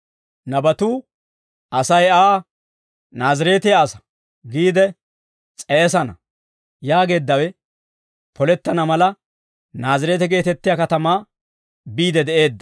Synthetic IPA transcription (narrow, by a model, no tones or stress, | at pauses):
nɐbɐt̪uː | ʔɐsɐjaː | naːzɪɾeːt̪ɛasɐ̥ | ɡiːd̪ɛ | t͡sʼɛːs̬ɐnɐ̰ | jaːɡe̞ːd̪ːɐwɛ | pʰɔlɛt̪ːɐnɐmɐlɐ | naːzɪɾeːt̪ɛɡe̞ːt̪ɛt̪ːɪjaːkɐt̪ɐmaː | biːd̪ɛd̪ɛʔe̞ːd̪ːɐ